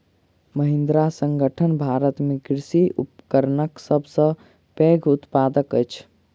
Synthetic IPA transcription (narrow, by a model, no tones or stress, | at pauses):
məɦĩnd̪ɾasəŋɡəʈʰənbʱaɾət̪mekɾsiʔupə̥kəɾnəksəbʱsə̃ | peɡʱut̪pad̪əkəjt͡ʃʰ